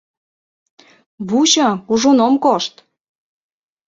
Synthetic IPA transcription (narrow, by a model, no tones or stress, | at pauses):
βut͡ɕəuʒonomkoʃt̪